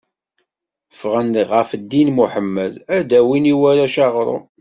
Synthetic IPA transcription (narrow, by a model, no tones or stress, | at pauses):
fʁəndəʁəfd̪ːinmuħəmːəðæd̪æwiniwæɾæʃɑʁɾˤo̰